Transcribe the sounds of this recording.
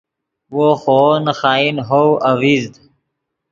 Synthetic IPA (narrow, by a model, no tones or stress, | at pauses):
woːxoːnxaːinɦowɐwiːzd̪